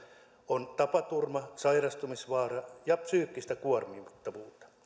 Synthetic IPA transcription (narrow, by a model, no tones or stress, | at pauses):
ont̪ɑpɑt̪urmɑsɑirɑst̪umisʋɑːrɑjɑpsyːkːist̪ækuormimt̪ːɑʋuːt̪ɑ̥